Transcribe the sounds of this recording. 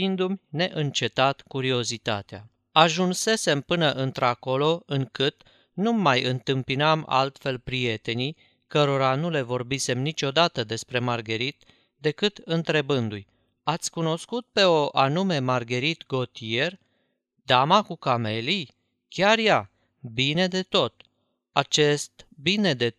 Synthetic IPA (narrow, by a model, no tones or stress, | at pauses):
ind̪umʲne̞ʔɨnt͡ʃe̞t̪at̪kuɾio̞zit̪at̪ea | aʒunse̞se̞mpɨnəʔɨnt̪ɾako̞lo̞ɨŋkɨt̪ | numːajɨnt̪ɨmpinama̰lt̪fe̞lpɾije̞t̪e̞nij | kəɾoɾanule̞vo̞rbise̞mnit͡ʃʲo̞d̪at̪əd̪e̞spɾe̞marɡe̞ɾit̪ | d̪e̞kɨt̪ɨnt̪ɾe̞bɨnd̪ujʲ | at̪sʲkuno̞skut̪̚pe̞o̞ʔanume̞marɡe̞ɾit̪ɡo̞t̪ie̞r | d̪amakukame̞li | kʲarja | bine̞d̪e̞t̪o̞t̪ | at͡ʃe̞st̪bine̞d̪e̞